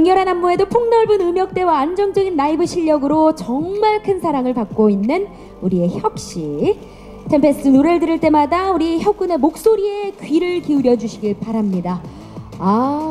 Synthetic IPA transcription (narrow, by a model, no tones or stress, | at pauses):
ɯŋjʌɾɦanɦamːoe̞dopʰoŋnʌɭbunɯmjʌk̚t͈e̞waːnd͡ʑʌŋd͡ʑʌɡinːaibɯɕʰiʎːʌɡɯɾot͡ɕʌŋmaɭkʰɯnsʰaɾaŋɯɭpak̚k͈oinːɯn | uɾie̞çjʌk̚ɕ͈i | tʰempʰe̞s͈ɯnoɾe̞ɭdɯɾiɭt͈e̞madauɾiçjʌk͈une̞mok̚s͈oɾie̞kɥiɾɯɭkiuɾjʌd͡ʑuɕʰiɡiɭpaɾamɲida | a